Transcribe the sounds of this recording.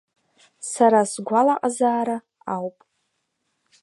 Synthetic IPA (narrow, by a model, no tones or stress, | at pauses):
saɾasɡʷalaqʼazaːɾa | awpʼ